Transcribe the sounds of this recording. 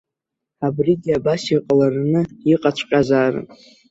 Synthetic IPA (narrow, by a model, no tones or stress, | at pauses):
abriɡʲiabasiqʼalarnɨiqʼat͡ɕʷʰqʲʼazaːrɨ̰